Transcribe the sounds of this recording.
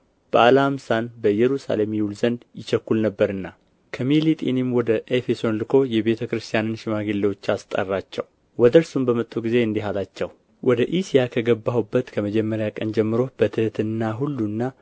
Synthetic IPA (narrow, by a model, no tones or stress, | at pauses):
b̥əʔalamsanbəjɛɾusa̰le̞mjɛwulzənd̪jɪt͡ʃɛkːulnəbːəɾɨnːa | kʰəmilit̪ʼinimwɔd̪əʔefe̞so̞nlɨkʰo̞jɛβe̞t̪ʰəkɨɾɨst̪ʰijanɨnʃɪmaɡelːewot͡ʃːast̪ʼə̰rːat͡ʃːɛ̰w | wɔd̪əɾsumbəmət̪ʼːuɡize̞ɨnd̪iɦalat͡ʃːɛw | wʔɔd̪əʔisijakʰəɡəbːahwubːət̪kʰəməd͡ʒɛmːəɾjakʼənd͡ʒɛmːɨɾo̞b̥ət̪ʰɨhɨt̪ʰɨnːaɦulːunːa